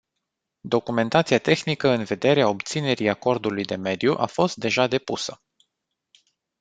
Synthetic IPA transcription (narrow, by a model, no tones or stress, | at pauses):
d̪o̞kume̞nt̪at̪siat̪e̞xnikəɨnve̞d̪e̞ɾeao̞bt̪sine̞ɾijako̞rd̪ulujd̪e̞me̞d̪juʔafo̞st̪̚d̪e̞ʒad̪e̞pusə